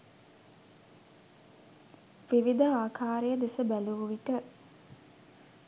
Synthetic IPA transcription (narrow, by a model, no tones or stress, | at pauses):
ʋiʋid̪əaːkʰaːɾejəd̪esəbæluʋiʈə